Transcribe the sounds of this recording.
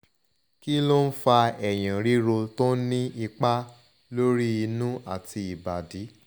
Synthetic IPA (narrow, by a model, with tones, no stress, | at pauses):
ki˦lo˦n̩˦fa˧ɛ˨j̃ã˨ɾi˦ɾo˧to˦nĩ˦i˧k͡pa˦ | lo˦ɾi˦i˧nũ˦a˦˨tʰi˧i˨ba˨di˨˦